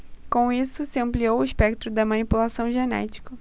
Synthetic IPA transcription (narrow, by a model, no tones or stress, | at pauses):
kõw̃isʊsɪɐ̃mpliowʊispɛkt̪ɾʊd̪ɐmɐ̃nipulasɐ̃w̃ʒenɛ̰t͡ʃi̥kɐ